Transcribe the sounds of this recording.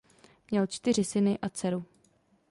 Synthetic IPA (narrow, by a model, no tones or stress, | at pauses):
mɲɛlt͡ʃt̪ɪr̝ɪsɪnɪʔat͡sɛɾu